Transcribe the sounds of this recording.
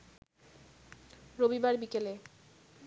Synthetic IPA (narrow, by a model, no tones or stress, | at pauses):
ɾobibaɾbikele